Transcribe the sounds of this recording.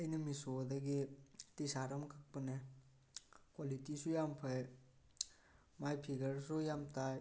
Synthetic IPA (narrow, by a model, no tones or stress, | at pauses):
əjnemisod̪ɐɡet̪isaɾɐmkʰɐk̚pɐne | kɔlit̪isujampʰɐj | majpʰiɡəɾsujamt̪aj